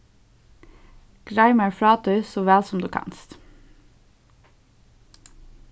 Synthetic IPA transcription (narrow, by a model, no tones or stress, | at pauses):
ɡ̥ɹæɪməɹfɹɑːt̪ʉːsɔʋæːlsɔmd̪ʉːkʰɑ̰nst̪